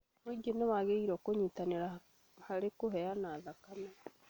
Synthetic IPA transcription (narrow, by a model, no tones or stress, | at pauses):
moiɡenaβaɣeiɾɔkoɲitaneɾa | haɾekoɦɛanaːðakana